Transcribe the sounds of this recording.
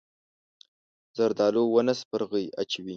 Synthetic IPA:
z̥aɾd̪ɑlowənaspəɾɣəja̰t͡ʃwi

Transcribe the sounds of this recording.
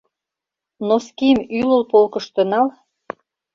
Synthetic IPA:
noskimylə̆lpolkɤ̆ʃt̪ə̆nɑl

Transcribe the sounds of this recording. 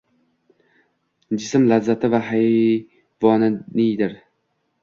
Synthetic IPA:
d͡ʒɪsɪmlazat̪ʰɪvaɦaj | vɒnɪnɪd̪ɪɾ

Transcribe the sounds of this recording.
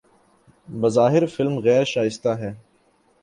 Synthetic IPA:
bɐzaːɦɪɾfɪlmɣɛːɾʃaːɪst̪aɦɛː

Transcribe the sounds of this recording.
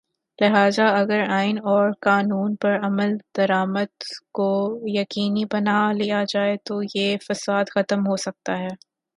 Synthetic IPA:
lɪɦaːzaɐɡəɾaːɪnɔːɾkaːnuːnpɐɾɐməld̪̥ɐɾaːməd̪kojɐqiːnibɐnalijad͡ʒaːet̪ojefɐsaːd̪xɐt̪əmɦosɐk̚t̪aɦɛː

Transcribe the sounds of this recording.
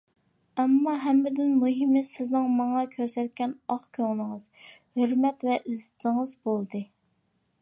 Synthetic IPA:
ɛmːɑɦɛmːɪd̪ɪnmuɦɪmɪsɪznɪŋmɑŋɑkʲʰøɾsɛt̪̚kʲɛnɑχkʲʰøŋlˠɨŋɨz̥høɾmɛt̪vɛʔizɪt̪ʰɪŋɨzbolˠd̪ɨ

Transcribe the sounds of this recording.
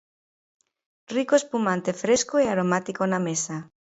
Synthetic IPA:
rikoespumãnt̪efɾeskoeaɾomat̪ikonamesa

